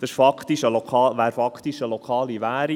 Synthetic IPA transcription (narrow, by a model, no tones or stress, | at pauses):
d̥ɑʃfɑkt̪iʃəlɔkʰɑːʋæːɾfɑkχt̪iʃəlɔkʰɑːliʋæːɾi